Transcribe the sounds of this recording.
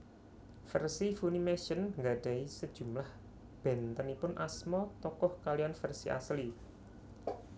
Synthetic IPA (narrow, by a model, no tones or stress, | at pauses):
fərsifunimeʃənŋɡaɖ̥a̤isəd̥ʒ̥ṳmlah | b̥ɛ̤nt̪ənipʊnʔasmɔt̪ɔkɔhkalijanfərsiʔa̰sli